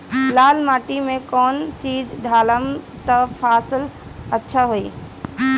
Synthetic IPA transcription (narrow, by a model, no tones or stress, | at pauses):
laːlmaːʈimẽkɔːnt͡ʃiːd͡ʑd̪ʱaːləm | t̪ɐpʰaːsɪlɐtːʃʰaɦuiː